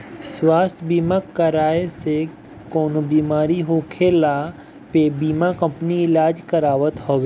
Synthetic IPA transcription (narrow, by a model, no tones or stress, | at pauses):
swaːst̪ʰbiːmakəɾaːese | koːnobiːmaːɾiɦoːkʰeːla | pebiːmakə̃mpəniɪlaːd͡ʒkəɾaːʋət̪hoːʋeː